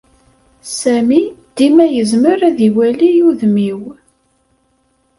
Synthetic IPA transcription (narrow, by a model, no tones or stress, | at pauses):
sæmid̪̥imæjəzməɾæðiwælijuðmiw